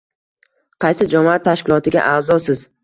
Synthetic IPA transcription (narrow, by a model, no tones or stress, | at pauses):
qʰɑjsɪd͡ʒamat̪ʰːaʃkʲɪlˠɒt̪ʰɪɡʲa̰ʔaːzɒsɪz